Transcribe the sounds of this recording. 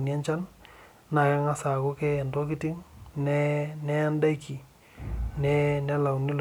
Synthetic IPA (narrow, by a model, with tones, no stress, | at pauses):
nia˦ɲt͡ʃa˦n | na˨kɛ˦ŋa˦sa˨kʊ˦kɛ˦˨ndɔ˦ki˦ti˦ŋnɛnɛ˦a˦nda˦kʰi˨ | nɛ˦nɛ˦la˨wnɪ˦l